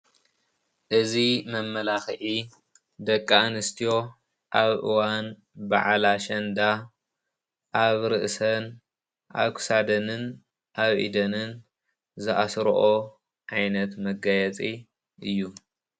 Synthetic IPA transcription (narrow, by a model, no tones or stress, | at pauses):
ʔɨzimɐmːɐlaxʕi | d̪ɐkʼːaanɨst̪ʰijo̞ | ʔaβʔɨ̰wan | ba̰ʕlaʃɐnd̪a | ʔaβɾɨʔsɐn | ʔa̰βkʰɨ̥sad̪ɐnɨn | ʔaβʔḭd̪ɐnɨn | zɨʔasɾoʔo | ʔajnɐt̪mɐɡajɛt͡sʼi | ʔɨjːu